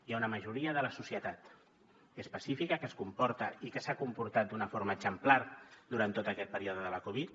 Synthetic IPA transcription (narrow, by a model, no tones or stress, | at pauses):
jaunəməʒuɾiəðələsusiət̪at̪ | əspəsifikəkəskumpɔɾt̪əikəsakumpuɾt̪at̪̚d̪unəfoɾməɡzəmplard̪uɾant̪ːot̪əkɛt̪̚pəɾioðəðələkoβ̞it̪